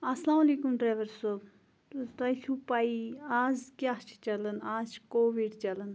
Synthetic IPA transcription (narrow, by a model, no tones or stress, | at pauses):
ɐslaːmɐlikumɖɾajʋəɾsob | t̪t̪ɐsʰupaːiaːzkjaːt͡ʃʰt͡ʃɐlənaːzt͡ʃʰkoːʋiɖt͡ʃɐlən